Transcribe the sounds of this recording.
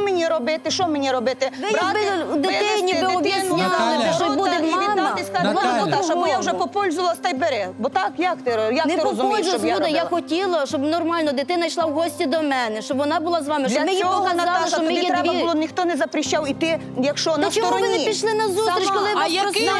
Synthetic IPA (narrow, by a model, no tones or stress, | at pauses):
menʲiɾɔbɪt̪ɪʃɔmenʲiɾɔbɪt̪ɪɪbɪd̪ɪt̪ɪnʲibeɔbisʲnʲlˠɪʃɔjbud̪emɑmt̪alˠɔd̪ɔbɔjawʒɛpɔpɔlʲzʊʋɐlˠɐst̪ɛjbeɾɛbɔt̪ɑkjakt̪ɪjanɛɪpɔɔlʲzʊjzɔd̪ɐjaxɔtʲilˠɐʃɔbnɔrmɑlʲnɔd̪ɪt̪ɪnɐjʃlˠɑwɦɔsʲtʲid̪ɔmɛnɛʃt͡ʃɔbʋɔnɑbʊlˠɑzʋɑmɪʃɔmɪipɔɐzd̪ɑlˠɪʃɔmmɪjiʋilˠɔnʲixt̪ɔnɛzɐpɾɪʃːawit̪ɪ | jɐkʃɔnɐt͡ʃɔuʋɪnɪpʲiʃlˠɪnɐzusɾʲiʃkɔlˠɪjaɾɔa